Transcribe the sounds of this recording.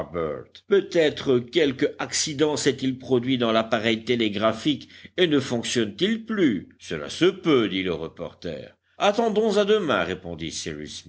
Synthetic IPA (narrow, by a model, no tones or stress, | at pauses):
bɛ̰ʁt̪pøt̪ɛt̪χəkʲɛlkaksid̪ɑ̃sɛt̪ilpχɔd̪ɥid̪ɑ̃lapaʁɛjt̪eleɡʁafikenəfɔ̃ksjɔnt̪ilplysəla̰səpød̪iləʁəpɔ̰ʁt̪ɛ̰ːʁ | at̪ɑ̃d̪ɔ̃zad̪əmɛ̰̃ʁepɔ̃d̪ḭsḭʁy̰smi